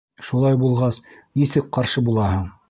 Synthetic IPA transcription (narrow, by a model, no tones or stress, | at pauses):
ʃulˠɑjbulˠʁɑsnisɘk̚qɑɾʃɤbulˠɑɦɤɴ